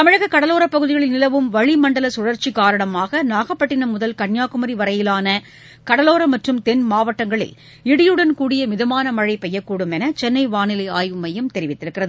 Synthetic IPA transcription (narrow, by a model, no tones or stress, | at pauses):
tt̪ɐmɪɻɐɣɐkːɐɽɐloːɾɐpːɐɣɯðɪɣɐɭɪlnɪlɐʋɯmʋɐɻimɐɳɖɐlɐsʊɻɐɾt͡ʃikaːɾɐɳɐmaːɣɐnaːɣɐpːɐʈːɪnɐmʊðɐlkɐɳjaːkɯmɐɾiʋɐɾɐjɪlaːnɐ | kɐɽɐloːɾɐmɐʈrɯmt̪ɛnmaːʋɐʈːɐŋɡɐɭɪ̰l | ɪɽɪjɯɽɐnkuːɽɪjɐmɪðɐmaːnɐmɐɻɐɪpɛjːɐkːuːɽɯmɛnɐt͡ʃɛnːɐɪʋaːnɪlɐɪaːjʋɯmɐjɐmt̪ɛɾɪʋɪt̪ːɪɾɯkːɪrɐð